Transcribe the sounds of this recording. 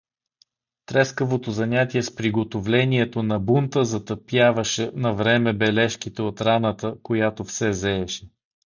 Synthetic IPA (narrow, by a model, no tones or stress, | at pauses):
t̪ɾɛskəvot̪ozɐnʲat̪iɛspɾiɡot̪ovlɛniɛt̪onɐbunt̪əzɐt̪əpjavəʃɛnɐvɾɛmɛbɛlɛʃkit̪ɛot̪ɾanət̪əkojat̪ofsɛzɛːʃɛ̥